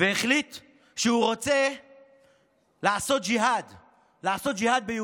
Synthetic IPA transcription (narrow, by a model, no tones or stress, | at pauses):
veːχlit̪ | ʃehuʁot͡se | laːso̞t̪̚d͡ʒiɦad̪ | laːso̞t̪̚d͡ʒihad̪̚beju